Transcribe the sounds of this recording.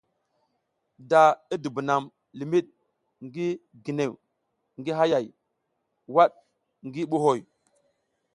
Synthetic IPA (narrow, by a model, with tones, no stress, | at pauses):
da˨i˦di˨bu˨na˨m | li˨mi˦ɗ̚ | ŋɡi˦ɡi˨ne˨w | ŋɡi˦ɦa˦ja˨j | wa˦ɗ̚ | ŋɡi˦ɓu˦ɦo˨j